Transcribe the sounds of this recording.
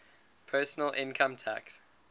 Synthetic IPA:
pʰɜːˑsənəlʔɪ̃nkʰə̃mtʰæ̰ks

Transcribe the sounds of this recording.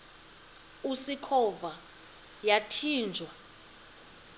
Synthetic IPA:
usikʰɔva | jatʰiːnd͡ʒʱwa

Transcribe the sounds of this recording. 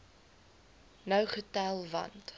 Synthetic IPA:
nœwχətælˠvɐ̰nt

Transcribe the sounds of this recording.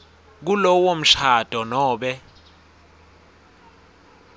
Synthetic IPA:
k̬ulɔwom̩ɬad̥ʱɔnɔːɓɛ

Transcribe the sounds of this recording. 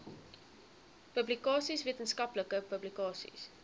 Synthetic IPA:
pəblikɑːsisviətənskɐpləkəpəblikɑːsḭs

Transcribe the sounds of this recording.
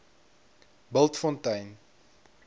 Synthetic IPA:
bəlˠtfɔntɐjn

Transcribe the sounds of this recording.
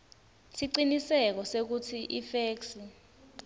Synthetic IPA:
siǀinisɛk̬ɔsek̬utʰiʔifeːksi

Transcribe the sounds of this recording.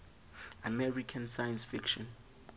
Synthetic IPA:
amɛɹikʰãnsajãnsfikʃɔ̃n

